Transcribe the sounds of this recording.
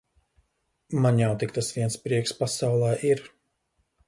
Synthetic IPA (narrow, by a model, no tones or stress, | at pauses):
manjawt̪ik̚t̪asviɛnspɾiɛkspasawlˠɛːʔiɾ